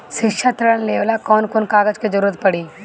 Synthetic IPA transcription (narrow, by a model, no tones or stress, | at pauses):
ʃɪkʃʰat̪ɾɐɽənleːʋlakɔːnkonkaːɡəd͡ʒked͡ʒɐɾuːɾət̪̚pɐɽiː